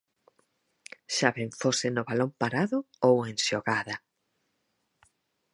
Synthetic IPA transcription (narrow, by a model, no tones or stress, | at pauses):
ʃaβeɱfosenʊβalompaɾaðʊ | owensoɣaðɐ